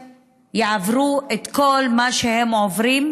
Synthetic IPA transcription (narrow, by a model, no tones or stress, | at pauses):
jeʕavʁuʔet̪ko̞lmaʃehe̞mʕo̞vʁim